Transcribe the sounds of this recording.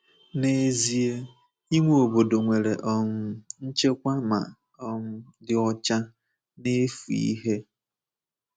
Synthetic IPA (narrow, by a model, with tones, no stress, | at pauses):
ne˨zi˦e˦ | i˦ŋʷe˦o˨bo˨do˨ŋʷe˨ɾe˨ʔɔ˦ŋʊ˦n̩˦t͡ʃe˦kʷa˦ma̰˨ | ɔ˨ŋ̩˦dɪ˨ɔ˦t͡ʃa˦ | ne˦fu˨ḭ˦ɦe˦